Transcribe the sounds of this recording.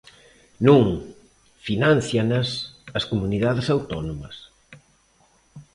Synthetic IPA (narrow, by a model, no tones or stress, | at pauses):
nũŋ | finãn̟θjanɐsɐskomuniðaðɪsawt̪ɔnomɐs